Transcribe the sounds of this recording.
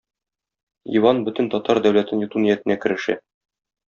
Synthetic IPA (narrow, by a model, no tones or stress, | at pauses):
ḭwɑnbɵt̪ɘ̆nt̪ɒt̪ɑɾd̪æwlæt̪ɘnjŭt̪unijæt̪ɘ̆nækɘ̆ɾɘ̆ʃæ̰